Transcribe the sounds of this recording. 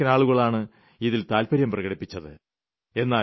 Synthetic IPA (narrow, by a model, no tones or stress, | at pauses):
ɐnaːɭuɣɐɭaːɳɨ | iðilt̪aːlpɐɾjɐmprɐɣɐɽipːit͡ɕːɐðɨ | e̞nːaː